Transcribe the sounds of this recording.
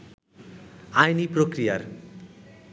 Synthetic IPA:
ajniprokrijar

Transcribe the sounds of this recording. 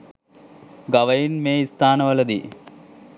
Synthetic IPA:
ɡɐʋɐjinmeːist̪ʰaːnɐʋɐlɐd̪ḭ

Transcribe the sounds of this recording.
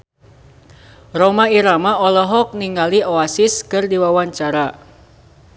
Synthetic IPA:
romaiɾamaɔlɔɦɔk̚niŋɡalioasɪskɨrdiwawaɲt͡ʃaɾa

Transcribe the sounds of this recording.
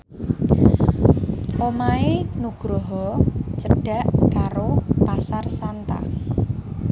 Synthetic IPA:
ʔomaenuɡ̥ɾoɦɔt͡ʃəɖ̥a̤ʔkaɾopasarsant̪a̰

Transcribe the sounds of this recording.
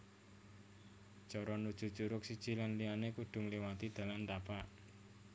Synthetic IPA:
d͡ʒ̥ɔɾɔnud̥ʒ̥ṳ̥t͡ʃuɾʊk̚sid̥ʒ̥ilanlianekuɖ̪̥ʊ̤ŋliwat̪id̪̥a̤lant̪apaʔ

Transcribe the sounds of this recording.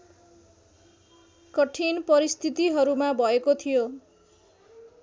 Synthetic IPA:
kʌʈʰinpʌɾist̪ʰit̪iɦʌɾumabʱʌekot̪ʰijo

